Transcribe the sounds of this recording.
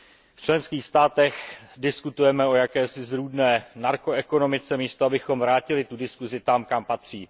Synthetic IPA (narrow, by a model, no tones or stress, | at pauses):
ft͡ʃlɛnskiːxst̪aːt̪ɛxdɪskut̪ujɛmɛo̞jakɛːsɪzɾuːdnɛːnaɾko̞ɛko̞no̞mɪt͡sɛmiːst̪oabɪxo̞mvɾaːcɪlɪt̪udɪskuzɪt̪amkampat̪r̝̥iː